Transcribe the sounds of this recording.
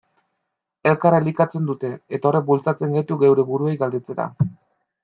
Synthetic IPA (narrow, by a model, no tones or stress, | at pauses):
e̞lkaraelikat͡se̞nd̪ut̪e̞et̪aoɾek̚bult͡sat͡se̞ŋɡat̪uɡe̞wɾe̞βuɾuejɡald̪e̞t͡se̞ɾa̰